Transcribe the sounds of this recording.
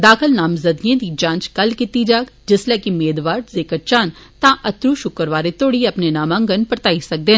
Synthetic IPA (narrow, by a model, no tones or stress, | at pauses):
d̪aːkʰəlnaːmzɐd̪ijẽd̪id͡ʒãːnt͡ʃkɐlkɪt̪id͡ʒaːɡd͡ʒɪslɛːkimeːd̪ʋaːɾzeːkəɾt͡ʃãːnt̪ãʔɐt̪ɾuʃʊkəɾʋaːɾet̪oːɽiɐpnenaːmãːŋɡənpəɾt̪aːisɐk̚d̪ẽː